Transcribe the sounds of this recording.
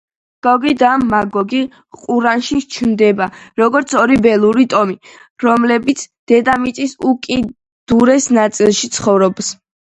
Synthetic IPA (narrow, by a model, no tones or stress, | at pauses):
ɡ̥ɔɡid̪amːaɡɔɡi | qʼuɾanʃit͡ʃʰnd̪ɛbaɾɔɡɔɾt̪sʰɔɾibɛlˠuɾit̪ʼɔmiɾɔmlɛbit̪sʰd̪̥ɛd̪amit̪sʼisukʼi | d̪̥uɾɛsnat̪sʼilˠʃit̪sʰχɔvɾɔbs